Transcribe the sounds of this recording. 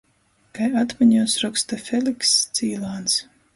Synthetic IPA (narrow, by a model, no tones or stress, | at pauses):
kajat̪miɲusɾɔkst̪afʲelikst̪siːlˠaːns